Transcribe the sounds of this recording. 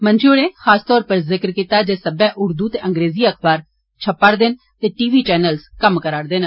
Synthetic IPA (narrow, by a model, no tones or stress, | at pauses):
mənd͡ʒoːɽeːxaːst̪ɔːɾpəɾzɪkəɾkit̪aːd͡ʒeːsəbɛ̃ːʔʊɾd̪uːt̪eːʔə̃ŋɡɾeːziːəkʰbaːɾ | t͡ʃʰəpːaːɾd̪eːn | t̪eːʈiːʋiːt͡ʃɛːnəlskəmkəɾaːɽd̪eːnː